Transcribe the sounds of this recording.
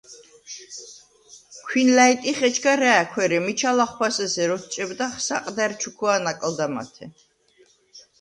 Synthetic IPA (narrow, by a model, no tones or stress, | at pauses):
kʰwinlait̪ʼiχɛt͡ʃʰɡaɾɛːkʰwɛɾɛmit͡ʃʰalaχwasɛsɛɾɔt̪ʰt͡ʃʼɛbd̪aχsa̰qʼd̪ɛɾt͡ʃʰukʰwanakʼld̪ama̰t̪ʰɛ